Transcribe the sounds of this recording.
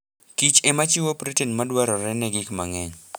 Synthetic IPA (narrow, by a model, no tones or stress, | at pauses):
kit͡ʃemat͡ʃɪwopɾitenmadwaɾɔɾɛnɛɡɪkmaŋɛɲ